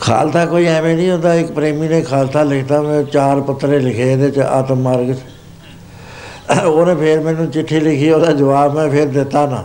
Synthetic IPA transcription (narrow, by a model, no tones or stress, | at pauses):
kʰa̰ːlt̪ʰaːkoːiːɛːmẽːnĩːɦʊ̃nd̪aːɪkpɾeːmiːneːkʰaːlt̪ʰaːlɪkʰt̪aːmɛ̃ːt͡ʃaːɾpət̪ːɾeːlɪkʰeːd̪et͡ʃa̰ːt̪əmːəɾɡt͡ʃ | oːnẽːpʰeɾmɛ̃ːnũːt͡ʃɪʈʰːiːlɪkʰiːoːd̪aːd͡ʒəʋaːbmɛ̃ːpʰɪɾd̪ɪt̪ːaːnã̰ː